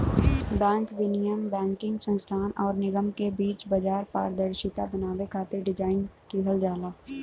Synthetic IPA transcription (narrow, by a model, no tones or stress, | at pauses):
bɛ̃ːŋkʋɪnijəmbɛ̃ːŋkɪ̃ŋɡsə̃nst̪ʰaːnʔɔːɾnɪɡəmkebiːt͡ʃbɐd͡ʒaːɾpa̰ːɾd̪əɾʃɪt̪abɐnaːwekʰaːt̪ɪɾɖɪd͡ʒaːɪnkiɦəld͡ʒaːlaː